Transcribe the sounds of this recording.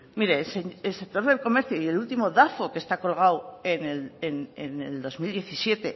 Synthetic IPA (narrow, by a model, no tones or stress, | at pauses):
miɾe̞seelse̞k̚t̪o̞ɾðe̞lko̞me̞ɾθjoie̞lult̪imo̞ðafo̞ke̞st̪ako̞lɣ̞awe̞neleneneld̪o̞zmild̪je̞θisje̞t̪e̞